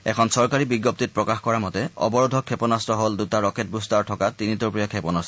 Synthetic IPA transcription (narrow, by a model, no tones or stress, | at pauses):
ɛkʰɔnsɔɹkaɹibiɡːɔp̚tit̚pɹɔkaxkɔɹamɔtɛɔ̰bɔɹɔdʱɔkʰːepɔnastɹɔɦoldutaɹɔket̚bustaɹtʰɔkatinitupɹijakʰɛpɔnasɔ